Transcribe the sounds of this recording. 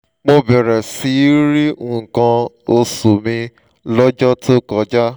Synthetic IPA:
k͡po˧bɛ˨ɾɛ˨si˧˦ɾi˦ũ˦˨kã˧ | o˧so˨mĩ˧ | lɔ˦d͡ʒɔ˦to˦kɔ˧d͡ʒa˦

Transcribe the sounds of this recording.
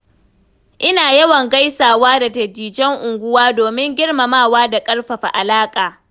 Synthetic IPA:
ʔɪ˦naː˨jɐ˦wɐ˨ŋɡa˦jsaː˨waː˦da˨dɐ˨diː˨d͡ʒɛ˦ŋʔʊ˨ŋɡʷʊ˦waː˦doː˨mɪ˦ŋɡʲɪ˦ɽmɐ˨maː˦˨waː˦da˨kʼɐ˦ɽɸɐ˨ɸa˨ʔa˨laː˦kʼaː˨

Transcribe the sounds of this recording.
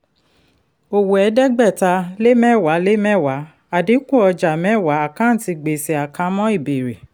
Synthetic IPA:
o˨wo˨ɛ˨˦dɛ˦ɡ͡bɛ˦˨ta˧le˦mɛ̃˦˨wa˨˦le˦mɛ̃˦˨wa˨˦ | a˨di˨˦kũ˦ɔ˧d͡ʒa˨mɛ̃˨˦˨wa˨˦a˦˨kã˨˦n̩˦˨ti˧ɡ͡be˨si˨a˨kã˧mɔ̃˦i˦˨be˨ɾe˨

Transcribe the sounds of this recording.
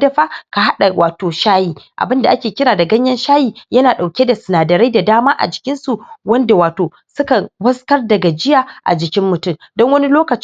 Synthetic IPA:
dɐ˦ɸa˦ka˨ɦa˦ɗa˨wʔaː˨toː˨ʃaː˦jiː˨ʔa̰˨bɪ˦nda˨ʔa˦kʲeː˨kʲɪ˦ɾaː˨da˨ɡɐ˦ɲjɐ˦nʃaː˦jiː˨jɐ˦naː˨ɗa˨wkʲe˦da˨sʊ˨naː˨dɐ˨ɾa˦jda˨daː˦maː˦ʔa̰˨d͡ʒɪ˨kʲɪ˦nsu˨wɐ˦nda˨waː˨toː˨ | sʊ˦kɐ˨nbɐ˦skɐ˦rdɐ˨ɡa˨d͡ʒɪ˦jaː˨ʔa̰˨d͡ʒɪ˨kʲɪ˦mːʊ˨tʊ˦˨m | dɔ˦ŋwɐ˦ni˦loː˦kɐ˨t͡ʃ

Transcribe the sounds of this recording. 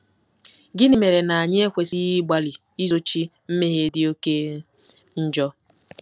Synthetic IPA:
ɡɪ˦nɪ˦me˨ɾe˨na˨a˨ɲ˦e˦kʷe˨si˦ɣi˦ɡ͡ba˦li˨ | i˦zo˦t͡ʃi˦m̩˦me˦ɦe˦dɪ˦o˦ke˦ | n̩˦d͡ʒɔ˦

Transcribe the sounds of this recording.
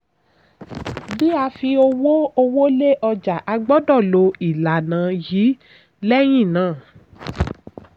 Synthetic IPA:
bi˦a˧fi˧o˧wo˦o˧wo˦le˦ʔɔ˧d͡ʒa˨ʔa˧ɡ͡bɔ˦dɔ˦˨lo˨˧i˨la˨nã˨˦jiː˨˦ | lɛ˦j̃ĩ˦˨nãː˨˦˨

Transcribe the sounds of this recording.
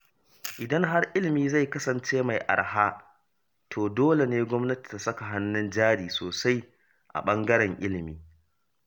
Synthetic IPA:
ʔɪ˨dɐ˦ŋɦa˦rʔɪ˦lɪ˨miː˦za˦˨jkɐ˦sɐ˨nt͡ʃeː˦ma˨jʔa̰˨ɽhaː˦ | tʰoː˨doː˦le˨neː˦ɡʷɔ˦mnɐ˦ti̥˨ta˦sɐ˦ka˨ɦa˦nːʊ˦nd͡ʒaː˦ɽiː˨soː˨sa˦j | ʔa̰˨ɓɐ˦ŋɡɐ˦ɾɛ˨ŋʔɪ˦lɪ˨miː˦

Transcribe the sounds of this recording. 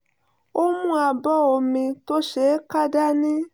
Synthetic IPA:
o˦mũ˦a˧bɔ˦o˨mĩ˧to˦ʃe˦ka˦da˦nĩ˦

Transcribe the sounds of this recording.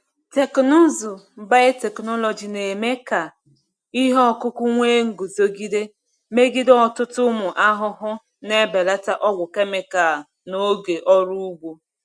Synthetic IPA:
te˨kno˦zʊ˨ba˦e˦te˨knɔ˦lɔ˨d͡ʒi˨ne˨me˦ka˨ | i˦ɦɔ˦kʊ˦kʷʊ˦ŋʷe˦ŋ̩˨ɡu˨zo˦ɡi˦de˦ | me˦ɡi˦dɔ˨tʊ˦tʊ˦mʊ˨ʔa˦ɦʊ˦ɦʊ˦ | ne˦be˨la˦ta˦ʔɔ˦ɡʷʊ˨ke˦me˨ka˨ | no˨ɡe˨ʔɔ˦ɾu˦u˦ɡʷu˦

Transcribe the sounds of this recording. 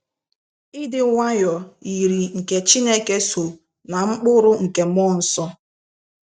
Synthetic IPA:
ɪ˦dɪ˨ŋʷa˦jɔ˨i˨ɾi˨ŋ̩˨ke˨t͡ʃi˦ne˦ke˦so˨ | na˨ŋ͡m̩˦k͡pʊ˦ɾʊ˦ŋ̩˨ke˨mɔ˦n̩˦sɔ˦

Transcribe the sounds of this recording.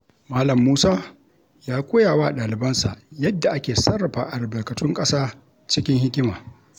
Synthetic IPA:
maː˦lɐ˨mːuː˦saː˦ | jaː˦kʷoː˦jaː˨waː˦ʔa˨ɗaː˨lɪ˨bɐ˦nsa̰˨ʔjɐ˦dːa˨ʔa˦kʲeː˨sɐ˦rːɐ˨ɸaː˨ʔa˨ɾɪ˨bɐ˨kɐ˨tʊ˦ŋkʼɐ˦saː˦ | t͡ʃɪ˦kʲɪ˦ŋhɪ˦kʲɪ˦maː˨

